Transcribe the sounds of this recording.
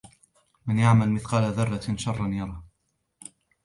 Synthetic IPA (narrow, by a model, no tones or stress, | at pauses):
manjaʕmalmɪθqɑːlaðɑrˤːɑʃɑrˤːɑnjɑɾˤɑː